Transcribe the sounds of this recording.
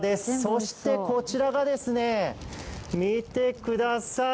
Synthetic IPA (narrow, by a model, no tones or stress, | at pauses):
d̪e̞sɨso̞ɕi̥t̪e̞ko̞t͡ɕiɾaɡad̪e̞sɨne̞ | mʲit̪e̞kɯ̟d̪asa